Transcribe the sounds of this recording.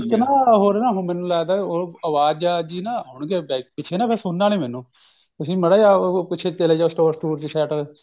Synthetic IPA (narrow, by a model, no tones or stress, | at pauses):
knaːɦoːɾnaːɦomɛːnũːlaːd̪aːoəʋaːd͡ʒaːd͡ʒiːnaːɦʊɳɡeːbɛːkpɪt͡ʃʰeːnaːpʰɛsoːnːaːlẽːmɛːnũː | t̪ʊsĩːməɽaːjaːpɪt͡ʃʰeːt̪eːleːd͡ʒaːosʈoːɾsʈuːɾt͡ʃisɛːʈəɾ